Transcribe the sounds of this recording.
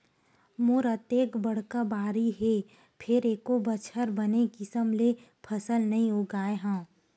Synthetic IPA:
mʊɾət̪eːkbəɽ̤kabaːɾiɦeː | pʰɪɾekobət͡ʃʰəɾbənekɪsəmle | pʰəsəlnɐɦĩɦoːɡaːeɦãː

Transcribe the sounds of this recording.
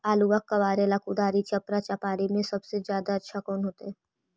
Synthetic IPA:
aːluʋakːɐʋaːɾelaːkud̪aːɾit͡ʃɐpɾat͡ʃapaːɾimẽsɐbsezjaːd̪aɐtːʃʰakɔːnɦoːt̪eɦɛː

